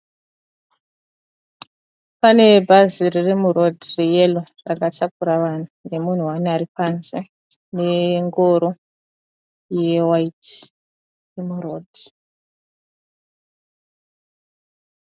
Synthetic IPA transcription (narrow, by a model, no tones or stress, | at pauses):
pane̞bʱaziririmurodʱrejelo | rakatak̚uɾaʋan̤une̞mun̤uwanaɾipanze | ne̞ŋɡoɾo | jewait | jemuroːd